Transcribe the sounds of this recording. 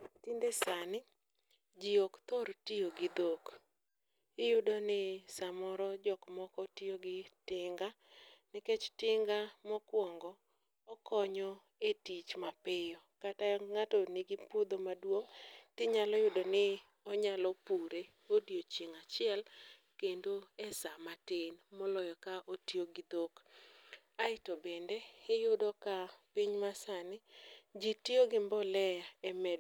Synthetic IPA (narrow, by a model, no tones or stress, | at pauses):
tindesanɪ | d͡ʒiokt̪ɔɾtioɡɪd̪ok | ɪjʊdonɪsamɔɾɔd͡ʒɔkmɔkɔtioɡɪtɪŋɡa | nɪket͡ʃtɪŋɡamɔkwɔŋɡɔː | kɔɲɔ | etit͡ʃmapɪjɔkataŋatɔnɪɡɪpʊd̪omadwoŋtɪɲalɔjʊdɔnɪ | ɔɲalɔpuɾe | odjot͡ʃiŋat͡ʃɪɛl | kendoɛsamatenmɔlɔjɔkaʔotioɡɪd̪ok | aɪtobendeːjʊdɔkapiɲmasanɪd͡ʒitioɡɪmbɔlɛjaɛmɛ